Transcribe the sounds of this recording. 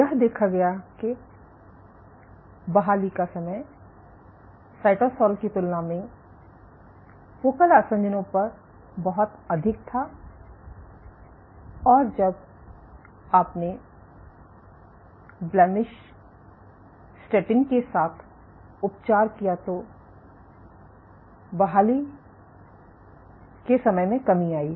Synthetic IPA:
jɐɦd̪eːkʰaɡɐjake | bɐɦaːlikasɐməj | saːɪʈosɔːlkit̪ʊlnamẽ | foːkəlasə̃ɲd͡ʒənõpɐɾ | bɐɦʊt̪ɐd̪ʱɪk̚t̪ʰa | ɔːɾd͡ʒɐb | aːpne | blɛːmɪʃ | sʈeːʈɪ̃ŋɡkesaːt̪ʰ | ʊp̚t͡ʃaːɾkijat̪o | bɐɦaːli | kesɐməjmẽkɐmiaːiː

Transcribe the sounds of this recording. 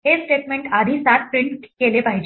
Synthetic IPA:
ɦesʈeʈ̚mẽɳʈad̪ʱiːsat̪̚pɾiɳʈkelepaɦid͡ʑ

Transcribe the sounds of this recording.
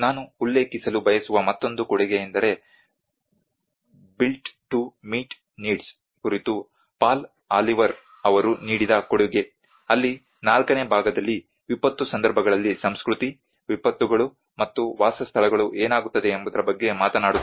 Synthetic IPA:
naːnuːlːe̞ːkisɐlubʱɐjɐsuʋɐmɐt̪ːo̞nd̪ukɔɽiɡejend̪ɐɾe̞ | bilʈʈumiːʈ | niːɖs | kuɾit̪u | paːl | aːliʋɐɾ | ɐʋɐɾuniːɽid̪ɐkoɽuɡe | ɐlːi | naːlkɐne̞ːbʱaːɡɐd̪ɐlːi | ʋipɐt̪ːusɐnd̪ɐɾbʱɐɡɐɭɐlːisɐmskɾut̪i | ʋipɐt̪ːuɡɐɭu | mɐt̪ːuʋaːsɐst̪ʰɐɭɐɡɐɭuʔeːnaːɡut̪ːɐd̪e̞ːmbud̪ɐɾɐbɐɡːe̞maːt̪ɐnaːɽut̪ː

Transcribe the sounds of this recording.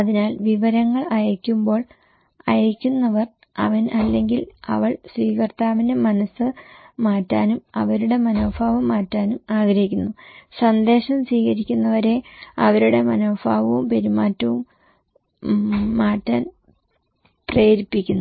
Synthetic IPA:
ɐðinaːlʋiʋɐɾɐŋːɐɭɐjɐkʲːumbo̞ːɭ | ɐjɐkʲːunːɐʋɐr | ɐ̰ʋɐnɐlːe̞ŋɡilɐ̰ʋɐɭswiːkɐrt̪ːaːʋinde̞mɐnɐsɨmaːtːaːnumɐʋɐɾuɽe̞mɐnoːfaːʋɐmaːtːaːnumaːɡɾɐɦikʲːunːusɐnd̪e̞ːʂɐmswiːɣɐɾikʲːunːɐʋɐɾe̞ɐ̰ʋɐɾuɽe̞mɐnoːbaːʋɐʋumpe̞ɾumaːtːɐʋum | aːtːaːn | preːɾipːikʲːunːu

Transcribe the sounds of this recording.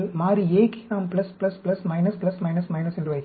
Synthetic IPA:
lmaːɾieːkinaːmpɪlɐsplɐsplɐsmɐɪnɐsplɐsmɐɪnɐsmɐɪnɐsɛndrɯʋɐɪ

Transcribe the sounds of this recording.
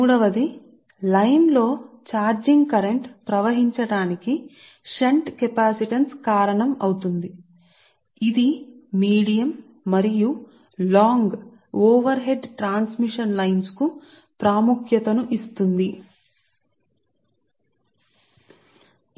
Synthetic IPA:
uːɽɐʋɐd̪i | lɐjnlo̞ː | t͡ʃaːɾd͡ʒiŋɡkɐɾeɳʈpɾɐʋɐɦiɲt͡ʃɐɽaːniki | ʃɐɳʈkepaːsiʈɐnskaːɾɐɳɐmɐwut̪und̪i | id̪iːiːɽijɐmː | ɐɾiju | laːŋɡ | oːʋɐɾɦe̞ɖʈɾaːnsmiʂɐnlɐjnsku | pɾaːmukʰjɐt̪ɐnuʔist̪und̪i

